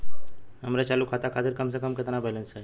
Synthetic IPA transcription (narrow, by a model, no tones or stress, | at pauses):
ɦəmɾet͡ʃaːlukʰat̪akʰaːt̪ɪɾkəmsekəmkɪt̪nabɛlənse